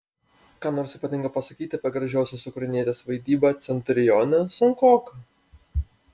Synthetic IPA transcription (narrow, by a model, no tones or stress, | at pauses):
kɑːnoːɾsiːpɐt̪ʲɪŋkɐpɐsɐkʲiːt̪ʲɪɐpʲiɛɡɾɐʒʲɛˑʊsʲoːsʊkɾɐɪnʲiɛt̪ʲeːsʋɐɪd̪ʲiːbɑːt̪sʲɛnʲt̪ʲɾʲɪjɔːnʲɛsʊŋkoːkɐ